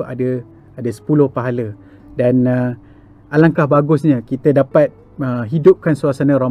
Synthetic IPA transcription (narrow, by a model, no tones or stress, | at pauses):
adə | adəsə̥pulʊhpaɦalə | danə | ʔalaŋkahbaɡʊsɲãkit̪ədapat̪̚ | əɦidʊp̚kansuasanãɾa